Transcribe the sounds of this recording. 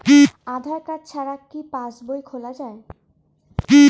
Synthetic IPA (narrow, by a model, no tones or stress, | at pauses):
kiad̪ʱaɾkad͡ʑt͡ɕʰaɾakːipãsbojkʰolad͡ʑae | ki